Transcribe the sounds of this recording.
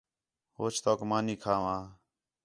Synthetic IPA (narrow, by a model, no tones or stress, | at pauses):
ɦoːt͡ʃʰt̪oːkmaːniːkʰaːʋãː